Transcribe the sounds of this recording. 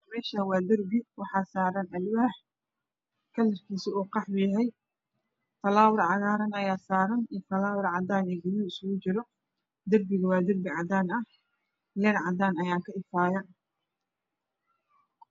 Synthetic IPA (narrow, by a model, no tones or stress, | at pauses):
mɛːʃawɑːd̪ɐrbɪwɑħɑːsaːɾɐnʔɐlwʊhɐħ | kʰɐlːɐrkʰiːsɪɔːqɑħbʊjɐɦɛj | fɐlaːwɾʕɑɣaːɾɐnɐjaːsaːɾɐnifɐlaːwɾʕɑd̪aːnɛːɡɐjɪɪsʊɣʊt͡ʃɪɾɔ | d̪ɐrbɪɣɐwɑːd̪ɐrbɪʕɑd̪aːnɐh | lɛːɾʕɑd̪aːnɐjaːkʰɐɪfaːjɐn